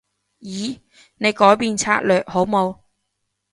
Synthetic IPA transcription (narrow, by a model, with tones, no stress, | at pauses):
jiː˨˧ | ne˨˧jkɔː˨˥jpiː˨˧nt͡sʰa̰ː˥t̚lœː˨k̚ho˨˥wmo˨˧w